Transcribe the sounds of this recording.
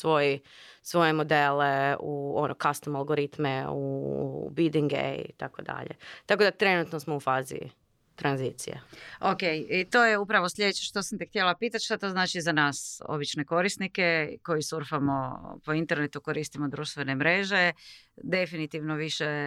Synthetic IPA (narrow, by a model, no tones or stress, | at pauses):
sʋo̞jɛ | sʋo̞jemod̪eleuonokast̪omalˠɡoɾit̪meubid̪iŋɡḛḭt̪akod̪a̰ʎḛt̪akod̪at̪ɾe̞nut̪nosmoufaːzḭ | t̪ɾanzit̪sḭjḛokejit̪o̞ːjeupɾaʋo̞slʎʲe̞d̪et͡ɕeʃt̪osamt̪ext̪jelapiːt̪at̪ʃt̪at̪o̞ːznaːt͡ʃizanaːso̰bit͡ʃne̞ko̞ɾist̪nike̞ko̞jisuɾfamo̞po̞int̪e̞ɾne̞t̪uko̞ɾiːst̪imo̞d̪ɾuːʃt̪ʋe̞ne̞mɾe̞ʒe̞ | d̪e̞finit̪iʋnoʋiʃe